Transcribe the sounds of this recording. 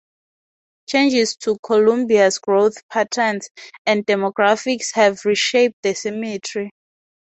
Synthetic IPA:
t͡ʃʰẽnd͡ʒistʰukʰɔlũmbiasɡɹoθpʰatʰənsɛ̃ndɛmɔɡɹafikshɛvɹiʃep̚dəsɛmitʰɹi

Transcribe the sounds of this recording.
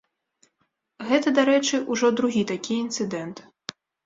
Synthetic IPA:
ɣɛt̪ɐd̪aɾɛt͡ʂɨʔuʐɔd̪ɾuɣʲit̪akʲiint̪sɨd̪ɛnt̪

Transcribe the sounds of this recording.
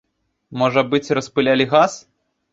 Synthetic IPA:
mɔʐɐbɨt͡sʲrɐspɨlʲalʲiɣas

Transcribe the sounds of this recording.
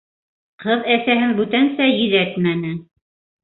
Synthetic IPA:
qɤðæsæɦɘŋbʉt̪ænsæjɵ̆ðæt̪mænɘ

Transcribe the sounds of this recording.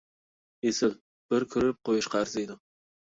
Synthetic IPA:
esɪl | b̥ɪɾkʲʰʊɾɪp̚qʰojɪʃqʰɑɾzed̪ɪ

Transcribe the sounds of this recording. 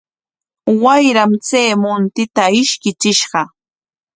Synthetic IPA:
wajɾamt͡seːmʊnt̪ɪt̪aɪʃkɪt͡ʃɪʃɢɑ

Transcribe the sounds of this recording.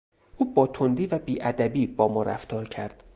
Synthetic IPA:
ʔuːbɒːt̪ʰond̪iːvæbiːʔæd̪æbiːbɒːmɒːɾæ̰ft̪ʰɒːɾcʰæɾd̪̥

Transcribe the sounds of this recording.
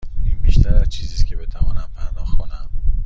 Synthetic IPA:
iːnbiʃt̪ʰæɾæzt͡ʃʰiːziːscʰe̞be̞t̪ʰævɒːnæmpʰæɾd̪ɒːxkʰonæm

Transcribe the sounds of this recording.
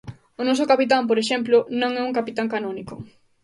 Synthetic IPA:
onɔsokapit̪̬ampoɾeʃ̬ɛmplʊnõŋɛuŋkapit̪aŋkanɔnikʊ

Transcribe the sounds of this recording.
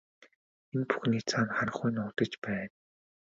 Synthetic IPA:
enpu̥xniːt͡sʰaːnχaɾə̆χujnʊːt̪ə̆t͡ɕpæːn

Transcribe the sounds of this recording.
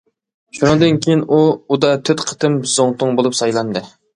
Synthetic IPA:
ʃunɨŋd̪ɨnkʲʰejinuud̪ɑt̪ʰøt̪qʰə̥t̪ʰɨmzoŋt̪ʰʊŋbolˠupsɑjlˠɑnd̪ɨ

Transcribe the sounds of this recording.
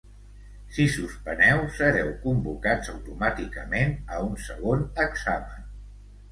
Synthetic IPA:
sisuspənɛwsəɾɛwkumbukad͡zəwt̪umat̪ikəmenəunsəɣonəɡzamən

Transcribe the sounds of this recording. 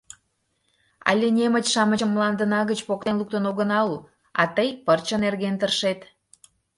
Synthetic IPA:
ɑ̰lʲenʲemət͡ɕʃɑmət͡ɕəmːlɑnd̪ənɑɣət͡ɕpok̚t̪enluk̚t̪ənoɣənɑu | ɑ̰t̪əjpərt͡ɕənerɣent̪ərʃet̪

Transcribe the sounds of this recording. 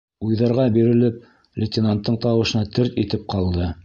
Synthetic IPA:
ujðɑɾʁɑbiɾɘ̆lɘp̚ | lʲɪt̪ʲɪnant̪ːɤɴt̪ɑwɤ̆ʃɤ̆nɑt̪ɘɾt̪it̪ɘp̚qɑlˠd̪ɤ

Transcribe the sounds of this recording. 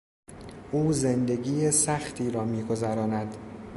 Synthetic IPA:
ʔuːzend̪e̞ɡiːjesæxt̪ʰiːɾɒːmiːɡo̞zæɾɒːnæd̪̥

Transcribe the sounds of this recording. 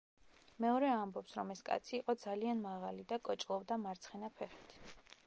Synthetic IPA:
mɛɔɾɛambɔpsɾɔmɛskʼa̰t̪sʰiːqʼɔd̪zalianmaʁalid̪akʼɔt͡ʃʼlˠɔvd̪amaɾt̪sʰχinapʰɛχi̥t̪ʰ

